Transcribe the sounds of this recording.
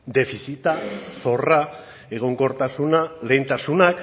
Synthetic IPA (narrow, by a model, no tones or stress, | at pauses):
d̪e̞fisit̪aso̞ra | e̞ɣ̞o̞ŋko̞ɾt̪asunale̞jnt̪asunak